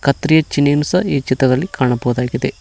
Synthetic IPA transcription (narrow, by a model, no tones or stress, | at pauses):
kɐt̪ːɾijɐt͡ʃineːnusɐiːt͡ʃit̪ɾɐd̪ɐlːikaːɳɐbɐʋɐd̪aːɡid̪e